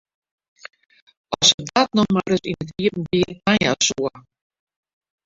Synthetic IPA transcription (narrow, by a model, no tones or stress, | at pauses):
ɔsədat̚nɔmaɾɪsinətiəpn̩biːəanja̰suə